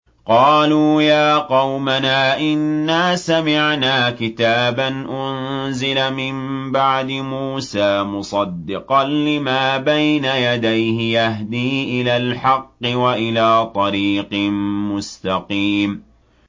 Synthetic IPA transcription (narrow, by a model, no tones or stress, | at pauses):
qɑːluːjaːqɑwmanaːʔɪnːaːsamɪʕnaːkɪt̪aːbanʔʊnzɪlamɪmbaʕd̪ɪmuːsaːmʊsˤɑd̪ːɪqɑnlɪmaːbajnajad̪ajhɪjaɦd̪iːʔɪlaːlħɑqːɨwaʔɪlaːt̪ˤɑɾiːqmmʊst̪ɑqiːm